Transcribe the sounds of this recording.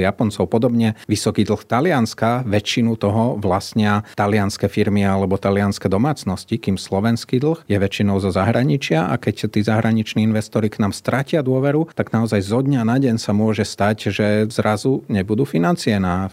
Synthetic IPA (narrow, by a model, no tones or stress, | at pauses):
japɔnt͡sɔʊpɔd̪ɔbɲɛʋisɔkiːd̪l̩xt̪alɪanskaʋɛt͡ʃːinut̪ɔɦɔʋlasɲɪat̪alɪanskɛfiɾmialɛbɔt̪alɪanskɛd̪ɔmaːt͡snɔscikiːmslɔʋɛnskiːd̪l̩xjɛʋɛt͡ʃːinɔʊzɔzaɦɾʔaɲit͡ʃɪaʔa̰kɛct̪iːzaɦɾaɲit͡ʃniːinʋɛst̪ɔɾiknaːmst̪ɾacɪad̪ʊɔʋɛɾut̪aɡnaɔzajzɔd̪ɲanaɟɛɲsamʊɔʒɛst̪acʒɛzɾʔazuɲɛbud̪uːfinant͡siɛna